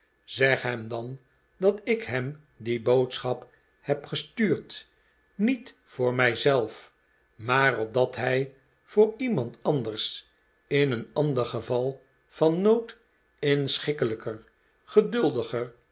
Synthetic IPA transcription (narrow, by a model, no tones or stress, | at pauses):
z̥ɛχɦɛmdɑn | dɑtɪkɦɛm | dibowtsχɑp | hɛpχəstyːɹt | nit | fʊːɹmɛjzɛlˠf | maːɾɔp̚dɑtɦɛj | v̥ʊːɹimɑntɑnd̪ərs | ɪnənɑndəɹχəvɑlˠ | fɑnːowt | ɪnsχɪkələkər | χədɵlˠdəχər